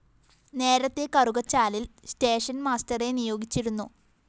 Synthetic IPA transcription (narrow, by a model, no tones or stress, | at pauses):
ne̞ːɾɐt̪ːe̞kɐruɡɐt͡ɕːaːlilsteːʂɐnmaːstɐre̞nijo̞ːɡit͡ɕːiɾunːṵ